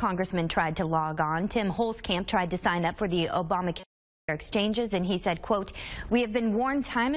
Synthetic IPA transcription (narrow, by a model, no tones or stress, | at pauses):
kʰɑ̃ŋɡɹɨsmɨ̃ntʰɹ̥aɪd̚tʰəlɑɡn̩tʰɪ̃mhoʊlˠz̥kʰæ̃mp̚tʰɹ̥aɪd̚tɨsãɪ̃nʌpfə˞ðiʔoʊbɑmɨkʰ | ə˞ɨkst͡ʃʰẽɪ̃nd͡ʒɨzɨ̃nisɛd̚kʰw̥oʊt̚wiɨvbɨ̃nwɔɹntʰãɪ̃m̃